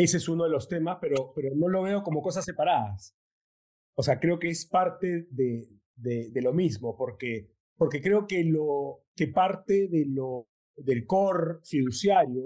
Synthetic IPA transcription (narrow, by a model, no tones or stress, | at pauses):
esesuno̞ð̞e̞lo̞st̪e̞maspe̞ɾo̞pe̞ɾo̞no̞lo̞β̞e̞o̞ko̞mo̞ko̞s̬asːe̞paɾaða̰s | oseakɾe̞o̞ke̞espaɾt̪e̞ðe | ðeðe̞lo̞mizmo̞po̞ɾke | po̞ɾke̞kɾe̞o̞keloke̞paɾt̪eðelo | ðe̞lkoɾfiðusjaɾjo